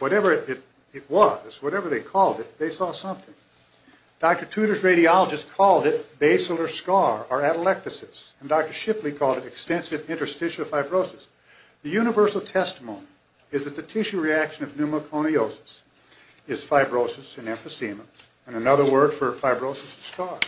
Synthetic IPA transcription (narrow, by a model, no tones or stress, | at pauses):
wʌɾɛvə˞ɪɾ | ɪt̚wʌz̥wʌɾɛvə˞ðeɪkʰɔlˠdɨt̪̚ðeɪsɔsʌ̃mθɪ̃ŋ | d̥ɑk̚tə˞tʰʉɾə˞zɹeɪɾiɑlˠəd͡ʒɨstkʰɔlˠdɪt̚b̥eɪsl̩ˠə˞skɑɹə˞æɾəlɛk̚tθɨsɨ̃ndɑk̚tə˞ʃɪplikʰɔlˠdɨɾɨkstɛ̃nsɨvɪ̃ntə˞stɪʃɨfaɪbɹoʊsɨs | ðɨjʉñɨvɜ˞sl̩ˠtʰɛstəmõʊ̃ni | ɨzðɨt̪̚ðɨtʰɪʃʉɹiækʃɨ̃nʌvnʉməkʰõʊɾ̃ioʊsɨ̥s | ɨz̥faɪbɹoʊsɨsɨ̃nɛ̃ɱfɨsimə | ɨ̃nɨnʌðə˞wɜ˞d̥fə˞faɪbɹoʊsɨsskɑɹ